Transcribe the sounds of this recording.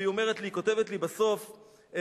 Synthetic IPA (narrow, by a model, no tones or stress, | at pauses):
iome̞ʁet̪liko̞tevetlibaso̞f